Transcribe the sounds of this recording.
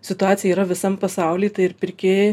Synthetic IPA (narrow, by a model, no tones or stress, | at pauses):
sʲɪt̪ʊaːt̪sʲɪjɛiːɾɐʋʲɪsɐmpɐsɑˑʊlʲiːt̪ɐɪɪɾpʲɪɾʲkʲeːje